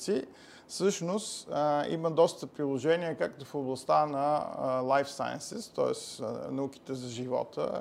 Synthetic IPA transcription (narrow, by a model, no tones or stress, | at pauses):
t̪si | sɤʃnost̪ḭməd̪ɔst̪əpɾilˠoʒɛniəkakt̪ofoblˠɐst̪anɐlˠajfsa̰jə̰nsɛst̪ɔ̰ɛsnɐuki̥t̪ɛzɐʒivɔ̰t̪ə̰